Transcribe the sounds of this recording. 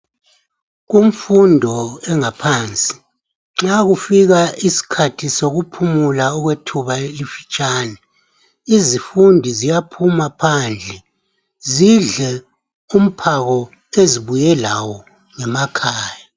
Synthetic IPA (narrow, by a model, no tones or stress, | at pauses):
ɣum̩fundʱɔɛŋapʰaːnt͡sʼi̥ | ŋ͡ǁaɣufiɣaʔisi̥kʰatʰisoɣupʰumulaɔɣwetʰuβaelifit͡ʃʼaːnɛ | izifundʱizijapʰumapʰand͡ɮʱɛ | ziɮɛ | um̩pʰaɣɔ | eziβujɛlawɔ | ŋɛmakʰaːja